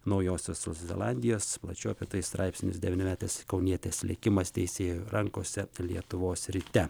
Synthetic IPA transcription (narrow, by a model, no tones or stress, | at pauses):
nɒʊjoːsʲoːsʊszʲɛ̰lˠɑnʲd̪ʲɪjoːsplˠɐ̰t͡ʃʲɛʊɐpʲit̪ɐɪst̪ɾʔɑɪpʲsʲɪnʲɪsd̪ʲɛʋʲɪnʲɪmʲæːt̪eɪskɒʊnʲiɛt̪ʲeːslʲɛ̰kʲɪmɐst̪ʲɛɪsʲeːjuɾɐŋkoːsʲɛlʲiɛt̪ʊʋoːsɾʲiːt̪ʲɛ